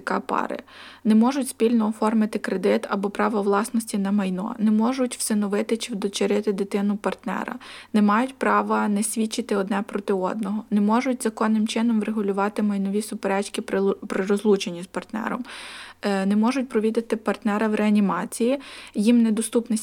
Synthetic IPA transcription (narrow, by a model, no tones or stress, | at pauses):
kɑpɑ̰ɾɪ̰ | nɛmɔʒʊtʲspʲilʲnɔːfɔrmɪt̪ɪkɾed̪ɪt̪ɐbɔpɾɑʋɐʋlˠɑsnɔsʲtʲinɐmɐjnɔ̰nɛmɔʒʊtʲw̥sɪnɔʋɪt̪ɪt͡ʃɪwd̪ɔt͡ʃeɾɪt̪ɪd̪ɪt̪ɪnʊpɐrt̪nɛ̰ɾɐ̰nɛmɑjʊtʲpɾɑʋɐnɛsʲʋʲit͡ʃːɪt̪ɪɔd̪nɛpɾɔt̪ɪɔd̪̚nɔɦɔnɛmɔʒʊtʲzɐkɔnːɪmt͡ʃɪnɔmɾeɦʊlʲʊʋɑt̪ɪmɐjnɔʋʲisʊpeɾɛt͡ʃkʲɪppɾɪɾɔzlˠut͡ʃenʲːizpɐrt̪nɛ̰ɾɔ̰m | nɛmɔʒʊtʲpɾɔʋʲid̪ɪt̪ɪpɐrt̪nɛɾɐʋɾeɐnʲimɑt͡sʲijijimnɛd̪ɔst̪upnɐ